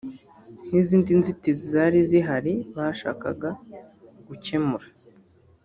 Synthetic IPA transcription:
niziːndinzitizizaɾiziɦaɾiβaʃa̰ːka̰ɡa | ɡ̥uce̞muɾḁ

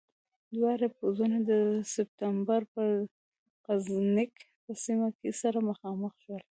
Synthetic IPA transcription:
d̪wɑɾepozunad̪əsɪp̚t̪ambaɾpə | qaznɪk | pəsimakesaɾaməxɑməxʃwəl

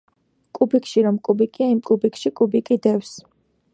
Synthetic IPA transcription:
kʼubikʼʃiɾɔmkʼubikʼiaimkʼubikʰʼʃikʼubikʼid̪ɛfs

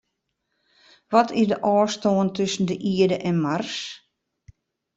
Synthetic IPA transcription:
ʋɔtʰɪsdəʔɔːstoəntʰɵsən̩dəʔiədəʔɛnmars

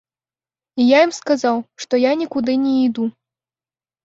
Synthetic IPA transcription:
ijajimskazawʂt̪ɔjanʲikud̪ɨnʲɛid̪u

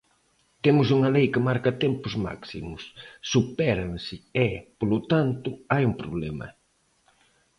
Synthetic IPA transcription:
t̪emʊs̬uŋɐlejkɪmaɾkɐt̪ɛmpʊzma̰ksḭmʊsːupɛɾɐ̃nsɪɛpolʊt̪ant̪ʊajuŋpɾoβlɛmɐ̰

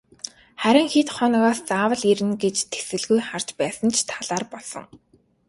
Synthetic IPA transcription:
χæɾʲɪ̆ŋxit̪χɔnɞ̆ɣaːst͡saːwə̆ɮiɾɘ̆nɡet͡ɕt̪ʰe̥sɘ̆ɮɣujχar̥t͡ɕpæːsə̆nt͡ɕʰt̪ʰaɮ̥aːrpɔɮsɞ̰̆ŋ

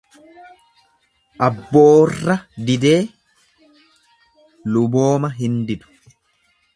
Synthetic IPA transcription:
ʔɐbːo̞ːrːɐd̪ɪd̪e̞ː | lʊbo̞ːmɐɦɪnd̪ɪd̪ʊ̥

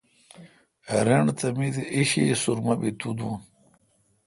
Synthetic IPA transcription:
ɐɾeɳt̪ɐmid̪eʔiɕisuɾmɐbit̪ud̪un

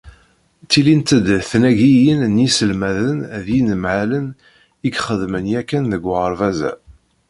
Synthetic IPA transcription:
t͡s̪ːilint̪əd̪θnæʝijənnisəlmæðənðjinəmʕalən | iɡχəðmənjækːænðəɡʷʁəɾvæzæ̰

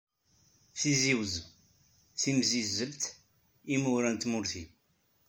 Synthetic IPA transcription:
θiziwz | θimzizəlt̪ | imʊɾænt̪mʊɾθi

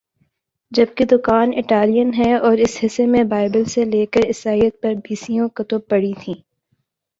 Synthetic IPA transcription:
d͡ʒɐb̚ked̪ʊkaːnɪʈaːlijənɦɛɔːɾɪsɦɪsːemẽbaːɪbəlseleːkəɾɪsaːijət̪̚pɐɾbiːsijõkɐt̪opɐɽit̪ʰĩː

